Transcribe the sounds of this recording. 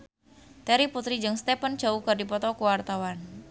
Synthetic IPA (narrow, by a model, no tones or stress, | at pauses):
t̪ɛɾiput̪ɾid͡ʒɨŋst̪ɛpən̥d͡ʒaukərdipɔt̪ɔkuwart̪awan